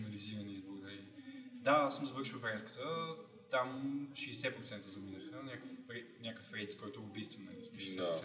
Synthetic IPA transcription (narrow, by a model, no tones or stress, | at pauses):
nɐliziɾənizbʊɾd̪ɐlid̪aasəmzɐvɤɾʃivfɾɛskə̥t̪ə | t̪amʃɛːsɛpɾot̪sɛnt̪əzɐminəxənʲakəfɾɛnʲakəfɾɛt̪kɔjt̪oʊbist̪vəmnɐlismɛʃɛsɛɛɾtsɛ